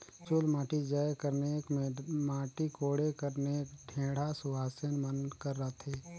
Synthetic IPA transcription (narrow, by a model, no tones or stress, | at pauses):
t͡ʃʊlmaːʈid͡ʒaːjkəɾnekmẽmaːʈikoːɽekəɾnekʈʰẽːɽ̤asʊbaːsənmənkəɾːət̪ʰeː